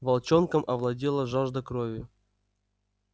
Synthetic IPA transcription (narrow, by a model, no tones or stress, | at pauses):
vɐlˠt͡ɕonkəmʔɐvlˠɐdʲilˠəʐaʐd̪əkɾovʲʊ